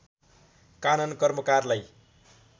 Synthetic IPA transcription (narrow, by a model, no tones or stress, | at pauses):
kanʌnkʌrmʌkarlaj